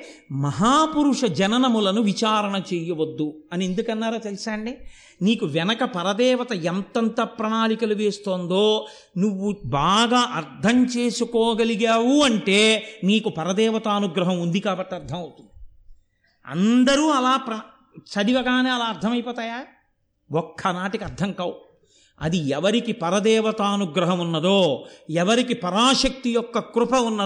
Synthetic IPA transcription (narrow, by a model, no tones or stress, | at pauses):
mɐɦaːpuɾuʂɐd͡ʒɐnɐnɐmulɐnuʋit͡ʃaːɾɐɳɐt͡ʃejɐʋɐd̪ːuɐniend̪ukɐnːaːɾoːt̪e̞lisaːɳɖi | niːkuʋɛnɐkɐpɐɾɐd̪ɛːʋɐt̪ɐɛnt̪ɐnt̪ɐpɾɐɳaːlikɐluʋe̞ːst̪oːnd̪oː | nuʋːubaːɡaːʔɐɾdt̪ʰɐmt͡ʃe̞ːsukoːɡɐliɡaːwuɐɳʈe̞ːniːkupɐɾɐd̪ɛːʋɐt̪aːnuɡɾɐɦɐmund̪ikaːbɐʈːiɐɾd̪ʰʱɐmɐwt̪und̪i | ɐ̰nd̪ɐɾuːɐlaːpɾɐ | t͡ʃɐɽiʋɐɡaːneːɐlaːɐɾt̪ʰɐmɐjpɔːt̪aːjaː | ɔkʰːɐnaːʈikiɐɾd̪ʰʱɐŋkaːwu | ɐ̰d̪iɛʋɐɾikipɐɾɐd̪ɛːʋɐt̪aːnuɡɾɐɦɐmunːɐd̪oːɛʋɐɾikipɐɾaːʃɐk̚t̪ijɔkːɐkɾʊpɐunːɐ